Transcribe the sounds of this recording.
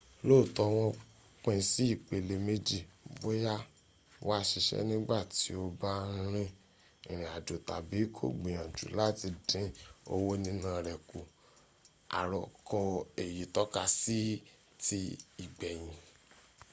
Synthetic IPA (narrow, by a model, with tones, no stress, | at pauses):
lo˦˨tɔ˧w̃ɔ̃˧ | k͡pɛ̃˧si˦i˦˨k͡pe˨le˧me˦d͡ʒi˦˨bo˦ja˦ | wa˦ʃi˧ʃɛ̰˦nĩ˦ɡ͡ba˦˨ti˨˦o˧ba˦ɾ̃ĩ˦ | ĩ˨ɾ̃ĩ˨a˨d͡ʒo˨ta̰˨bi˨˦kʰo̰˦˨ɡ͡bĩ˨jã˨d͡ʒṵ˨la˦ti˧dĩ˨˦o̰˧wo˦nĩ˦nã˦˨ɾɛ˨ku˨ | a̰˨ɾɔ˨kɔ˧e˨ji˨tɔ˦ka˧si˦ | ti˧i˨ɡ͡bɛ˨j̃ĩ˨